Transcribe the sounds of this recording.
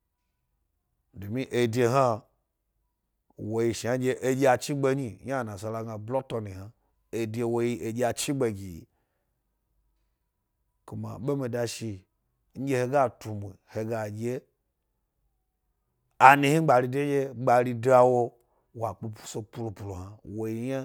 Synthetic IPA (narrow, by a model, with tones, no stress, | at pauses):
do˨mi˦ʔe˨dʲe˧ɦa˦ | wo˨ji˧ʃi˨a˨˦d͡ʒe˦ʔe˦d͡ʒʲe˦a˨t͡ʃi˦ɡ͡be˧ɲi˨ɲ˦a˦˨na˨sa˨la˧ɡa˨blo˦to˧ni˨ha˨ | e˨de˧wo˧ji˦ʔe˨d͡ʒe˦a˨t͡ʃi˦ɡ͡be˨ɡʲi˨jḭ˨ | ku˨ma̰˨ɓe˦mi˨da˧ʃi˧˦ | n̩˦d͡ʒe˦he˧ɡa˦tu˨mʷ˨i˨he˨ɡa˨d͡ʒe˦ | a˨nĩ˨˦hi˦ɡ͡ba˨ɾi˧de˦d͡ʒʲe˦ɡ͡ba˨ɾi˧da˦˨wo˧ | wa˨k͡pu˦pu̥˦so˧pu˨lu˨pu˨lu˨ha˨wo˨ji˧ɲa˦